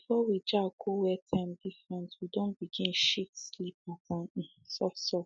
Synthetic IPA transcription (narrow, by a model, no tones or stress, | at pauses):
bifɔwid͡ʒakʰowɛtʰɛ̃mdifɹɛ̃ntwidõnbiɡĩnʃitslipapɔ̃ñ̩sɔsɔ